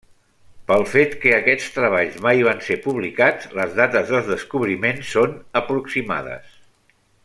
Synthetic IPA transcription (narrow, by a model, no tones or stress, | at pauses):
pəlˠfet̪kəːkɛt͡st̪ɾəβ̞aʎzmajβansepuβ̞likad͡zləzðat̪əzðəlˠðəskuβɾimensːonəpɾuksima̰ðə̰s